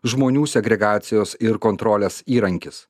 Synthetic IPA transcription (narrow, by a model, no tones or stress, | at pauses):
ʒmoːnʲuːsʲɛɡɾʲɛɡɑːt̪sʲɪjoːsɪɾkoːnt̪ɾoːlʲeːsiːɾɐŋʲkʲɪs